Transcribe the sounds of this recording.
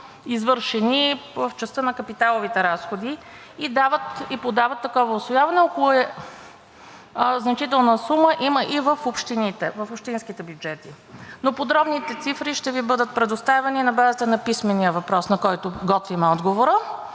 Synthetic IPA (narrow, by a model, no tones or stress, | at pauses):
izvɤɾʃɛnivəft͡ʃɛst̪ənɐkɐpit̪alˠovit̪ɛɾasxod̪i | id̪avət̪ipod̪avɐt̪ːɐkɔvəʊsvojavɐnɛɔkolˠʊɛ | znɐt͡ʃit̪ɛlˠnəsuməʔiməʔivəfopʃt̪init̪ɛvɐfopʃt̪insk̟it̪ɛbjud͡ʒɛt̪i | nopod̪ɾɔbnit̪ɛt̪sifɾiʃt̪ɛvibɤd̪ət̪̚pɾɛd̪ʊst̪avɛninɐbazit̪ənɐpismɛnijəvɐpɾɔsnɐkɔjt̪ʊɡɔt̪vimɛɔd̪ɡovoɾə